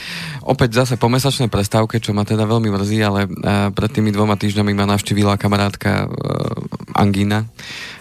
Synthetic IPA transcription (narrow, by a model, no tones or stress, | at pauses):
ʔɔ̰pɛɟvzasɛpɔmɛsat͡ʃnɛjpɾɛst̪aʊkɛt͡ʃɔmat̪ɛd̪aʋɛʎmimr̩ziːalɛpɾɛt̪t̪ːiːmid̪ʋɔmat̪iːʒɲamimanaʊʃciːʋilakamaɾaːt̪ka̰ | a̰ŋɡina